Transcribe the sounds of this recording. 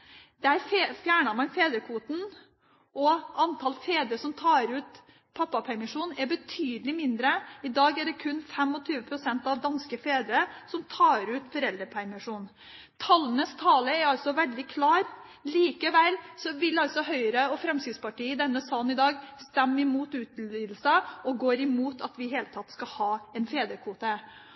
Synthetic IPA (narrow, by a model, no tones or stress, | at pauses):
d̪̥ɛæɾffjæːɳɑmɑnfeːd̪ɾəkʰʋuːt̪n̩ | ʔɔɑnt̪ʰɑlfeːd̪ɾəʂɔmt̪ʰɑːɾʉːt̪ | pʰɑpːɑpʰæɾmɪʂuːnɛbət̪ʰyːd̪əlɪmɪnd̪ɾəɪd̪ɑːɡɛɖɛkʰʉnːfɛmːɔt̪ʰyːʋəpʰɾʊsɛnt̪ɑʋd̪ɑnskəfeːd̪ɾəsɔmt̪ʰɑːɾʉːt̪fɔɾɛld̪ɾəpʰæɾmɪʂuːn | t̪ʰɑlːənəst̪ʰɑːləɛɾɑlsɔʋɛld̪ɪkʰlɑːɾ | liːkəʋælsɔʋɪlɑlt̪sɔɦœʏɾəɔfɾɛmskɪd̪spɑʈiːəd̪ɛnːəsɑlnɪd̪ɑːɡst̪æmːɪmuːt̪ʉːt̪liːd̪l̩səɔɡoːɾɪmuːt̪ɑt̪ʋɪɦeːlət̪ʰɑt̪ːskɑhɑːɛnfeːd̪əkʰʋuːt̪ə